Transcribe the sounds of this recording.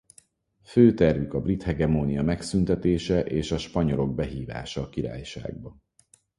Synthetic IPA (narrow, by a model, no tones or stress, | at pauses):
føːt̪ɛrvykɒbrit̪hɛɡɛmoːnijɒmɛksynt̪ɛt̪eːʃɛʔeːʃɒʃpɒɲo̞lo̞ɡ̚bɛɦiːva̰ːʃɒːkiɾa̰ːjʃa̰ːɡ̚bɒ